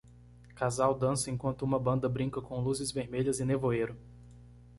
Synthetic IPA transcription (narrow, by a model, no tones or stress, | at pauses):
kazawd̪ɐ̃sɐẽŋkwɐ̃nt̪ʊũmɐbɐ̃nd̪ɐbɾĩkɐkõluzɪzveɾmeʎɐzɪnevoeɾʊ